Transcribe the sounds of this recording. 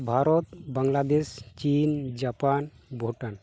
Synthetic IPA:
bʱaɾɔt̪baŋlad̪est͡ʃind͡ʒapan | bʱoʈan

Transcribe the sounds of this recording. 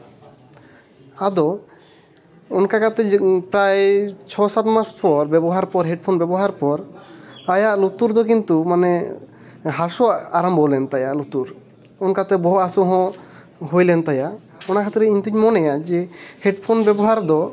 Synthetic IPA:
ad̪ɔ | ɔnkakat̪ɛpɾajt͡ʃʰɔsat̪maspɔɾbɛbɔɦaɾpɔɾɦɛɖpʰɔnbɛbɔɦaɾpɔɾajaʔlut̪uɾd̪ɔkint̪umanɛ | ɦasɔaɾambɔlɛnt̪ajaʔlut̪uɾ | ɔnkat̪ɛbɔɦɔasuɦɔ̃ | ɦojlɛnt̪ajaʔ | ɔnakʰat̪ɾɛiɲt̪uɲmɔnɛjad͡ʒɛhɛɖpʰɔnbɛbɔɦaɾd̪ɔ

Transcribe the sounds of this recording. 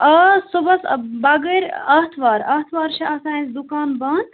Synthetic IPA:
ɐsubɐsbɐɡəɾʲɐɦt̪ʰʋaːɾɐt̪ʰʋaːɾʃʰɐɐsaːĩnsd̪ukaːnbɐːn

